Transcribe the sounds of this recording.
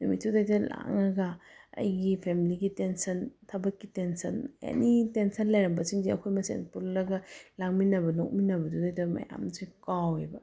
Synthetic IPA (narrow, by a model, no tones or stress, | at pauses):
numitʰːudajtɐla̰ŋɐɡɐɐ̰jɡipʰemiliɡitensɐntʰɐbɐkːitensɐnḛnitensɐnlɐjɾɐmbɐsiŋd͡ʒiɐ̰kʰojmɐsḛnpulːɐɡɐlaŋminɐbɐnok̚minɐbɐtʰudɐjtɐmɐ̰ja̰msikawebɐ